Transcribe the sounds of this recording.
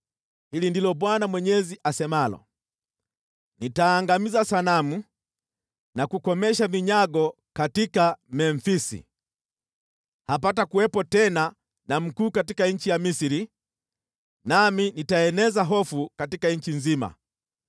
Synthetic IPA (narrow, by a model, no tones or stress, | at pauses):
hilindilɔbwanamwɛɲɛziʔasɛmalɔ̰ | nitaːŋɡamizasanamu | nakukɔmɛʃaviɲaɡɔ | katikamɛɱfisḭ | hap̬atakuwɛpɔtɛna | nam̩kuːkatikaɲ̩t͡ʃijamisiɾi | naminitaɛnɛzaɦɔfukatikaɲ̩t͡ʃiɲzima̰